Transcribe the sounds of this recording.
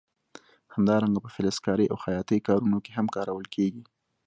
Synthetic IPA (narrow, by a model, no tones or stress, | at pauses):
hamd̪ɑɾaŋɡapəfɪlɪskɑɾəʔawxajɑt̪əjkɑɾunokeɦamkɑɾawəlkʰeɡi